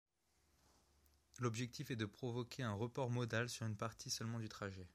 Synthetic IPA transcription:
lɔbʒɛk̚t̪ʰifɛd̪əpχɔvɔkʲʰeɛ̃ʁəpɔʁmɔd̪alsyʁynpaʁt̪ʰisœlmɑ̃d̪yt̪χaʒɛ

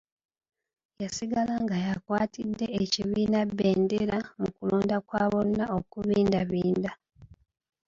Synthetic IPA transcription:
jasiɡalaŋɡajakwaːtʰidːe̞ːciβiːnabːe̞ːndeɾamukuloːndakwaːβo̞nnːao̞kuβiːndaβiːnda

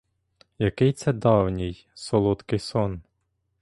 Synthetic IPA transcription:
jɐkɪjt̪sɛd̪ɑwnʲɪj | sɔlˠut̪kɪjsɔn

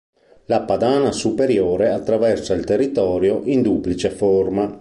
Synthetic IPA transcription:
lapad̪aːnasupeɾjoːɾeat̪ːɾavɛrsailt̪erːit̪ɔːɾjoʔind̪uplit͡ʃeforma

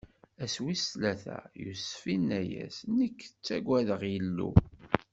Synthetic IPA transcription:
æswislæθæ̰jṵsfinːæjæ̰snəkːt͡sːæɡʷæðəʁjəlːu

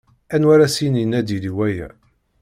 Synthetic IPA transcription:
ænwaɾæsininæd̪iliwæjæ̰

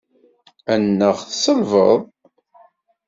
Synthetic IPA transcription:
ænːəʁθsəlvəðˤ

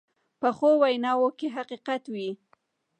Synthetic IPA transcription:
pəxowajnɑwokeɦaqiqat̪wi

